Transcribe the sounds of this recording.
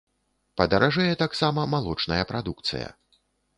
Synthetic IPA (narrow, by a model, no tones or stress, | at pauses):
pɐd̪ɐɾaʐɛjɛt̪aksamɐmalˠɔt͡ʂnɐjɐpɾad̪ukt̪sɨ̰jɐ̰